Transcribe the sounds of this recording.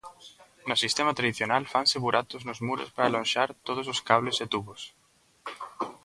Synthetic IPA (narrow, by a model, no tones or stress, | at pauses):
nʊsist̪emat̪ɾaðiθjonalfanseβuɾat̪oznʊzmuɾo̰spaɾalõnʃaɾt̪oð̞ososkaβleset̪uβos